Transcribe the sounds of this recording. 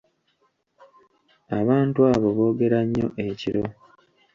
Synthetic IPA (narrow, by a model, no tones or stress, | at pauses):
aβaːntuaːβo̞βo̞ːɡe̞ɾaɲːo̞̰ʔe̞ciɾo̞